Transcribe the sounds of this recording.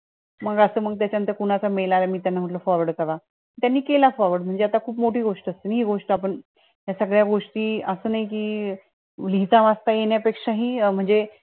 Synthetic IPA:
məɡəsəːməɡ̚t̪jat͡ɕjant̪əɾkuɽ̃at͡samelaɾjamiːt̪janːam̤əʈləfɔɾʋəɽɖkəɾa | t̪janːiːkelafɔɾʋəɽm̤əɳd͡zeat̪akʰuːpmoʈiːɡoʂʈəst̪iːnɦiːɡoʂʈəapəɳ | ɦjasəɡɭjaɡoʂʈiːəsəːnaɦik̬iː | lit͡s̪aʋast̪ajeɳjapekʂaɦiːm̤əɳd͡ze

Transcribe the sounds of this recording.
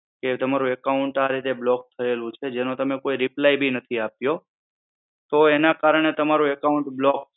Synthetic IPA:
ket̪əmaɾũekauɳʈaɾit̪eblɔk̚t̪ʰəelũt͡ʃʰed͡ʒenũt̪əmekoiɾiplaibʱinət̪ʰiapjo | t̪oenakaɾəɳ̃et̪əmaɾũekauɳʈblɔk

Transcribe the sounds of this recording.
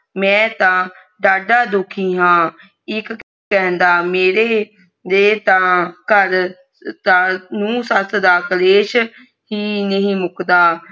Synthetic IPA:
mɛ̃ːt̪ãː | ɖaːɖaːd̪ʊkʰĩːɦãː | ɪk | kɛ̃ːnd̪aːmeːɾeː | d̪eːt̪ãːkəɾ | t̪anũːsəsʰd̪aːkəleːʃ | ɦiːnəɦĩːmʊkd̪aː

